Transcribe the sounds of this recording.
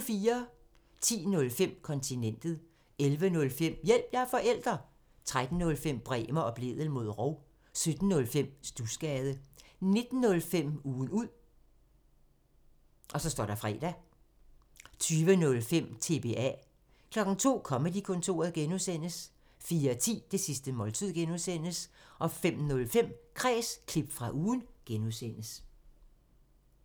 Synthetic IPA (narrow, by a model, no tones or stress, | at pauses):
fiːɐ | t͡sʰḭːnɔ̽lfem̰kʰɒ̽nt͡sʰinen̰d̥ð̩ˠ | elʋənɔ̽lfem̰jel̰b̥jæɐfɒ̽ʔel̰d̥ʁɐ | t͡sʰʁad̥n̩ːɔ̽lfem̰b̥ʁɛ̰ːmɐʔɒ̽b̥le̝ð̞̰ˠəl̩mo̝ð̰ˠʁoʊ̰ | sød̥n̩ːɔ̽lfem̰sd̥usɡ̥ɛːð̞ˠəne̝d̥n̩ːɔ̽lfem̰uːn̩uð̰ˠ | ʔɒ̽sɒ̽sd̥ɒ̰ɾ̥ɑ̈fʁɛ̰ːd̥æ | t͡sʰyːʋənɔ̽lfem̰t͡sʰe̝b̥e̝ʔæ | kʰlɒ̽ɡ̥n̩t͡sʰo̝̰ːkʰɒ̽məd̥ikʰɔ̽nt͡sʰo̝̰ːɐðˠɡ̥enusen̰əs | fiːɐt͡sʰḭːd̥e̝sisd̥əmɒ̽lt͡sʰið̰ˠɡ̥enuðˠsen̰əsʔɒ̽fem̰nɔ̽lfem̰kʰʁɛ̰ːskʰlib̥fʁɑ̈ʔuːn̩ɡ̥enuðˠsen̰əs